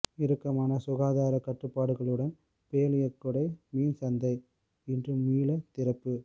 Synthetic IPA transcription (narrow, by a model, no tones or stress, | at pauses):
ɪɾɯkːɐmaːnɐsʊɣaːðaːɾɐkɐʈrɯpːaːɽɯɣɐɭɯɽɐn | peːlɪjɐkːɯɽɐɪmiːnsɐnd̪ɐɪ | ɪndrɯmːiːlɐt̪ɪɾɐpːɯ